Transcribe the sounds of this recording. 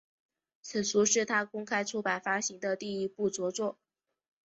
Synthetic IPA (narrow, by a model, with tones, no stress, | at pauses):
t͡s̩ʰ˨˩t͡sʰu˧˥ʂɻ̩˥˩t̪ʰa˥kʊ˥ŋkʰa˥ɪʈ͡ʂʰu˥pa˨˩ɪfa˥ɕi˧˥ŋd̪ə˧t̪i˥˧i˥pu˥˩t͡swɔ˧˥t͡swɔ˥˩